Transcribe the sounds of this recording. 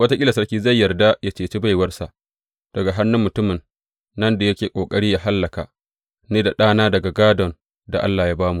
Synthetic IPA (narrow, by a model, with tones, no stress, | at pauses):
wɐ˦ta˦kʲʼɪ˦la˨sɐ˦ɽkʲiː˦za˦˨jːɐ˨rda˦ja˦t͡ʃeː˨t͡ʃeː˦ba˦˨jwɐ˦rsa˨ʔ | d̥ɐ˨ɡa˨ɦa˦nːʊ˦mːʊ˨tʊ˦mɪ˨nː | ɐ˦nda˨jɐ˦kʲeː˨kʷʼoː˨kʼɐ˦ɽiː˦jaː˦ɦa˦lːɐ˨ka˨ | neː˦da˨ɗaː˦naː˦dɐ˨ɡa˨ɡaː˦dɔ˨n | da̰˨ʔa̰˦lːaː˨jaː˦baː˦mu˨ʔ